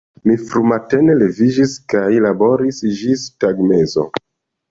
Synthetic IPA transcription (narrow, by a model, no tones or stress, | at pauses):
mifɾumate̞ne̞le̞vid͡ʒiskajlabo̞ɾisd͡ʒistaɡmezo̰